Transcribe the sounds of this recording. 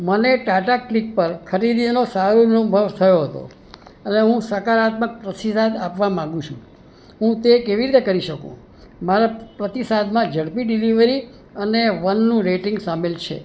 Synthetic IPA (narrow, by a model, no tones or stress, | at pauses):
məneʈaʈaklik̚pəɾkʰəɾid̪inosaɾonubʱəʋt̪ʰəjoɦət̪o̰ | əneɦũsəkaɾat̪mək̚ːɾəsisad̪apʋamãŋɡũt͡ʃʰṵ̃ | ɦũt̪ekeʋiɾit̪ekəɾiʃəkṵ̃ | maɾapɾət̪isad̪mãd͡ʒəɽpiɖiliʋəɾi | əneʋənːũɾeʈɪŋɡsamelt͡ʃʰḛ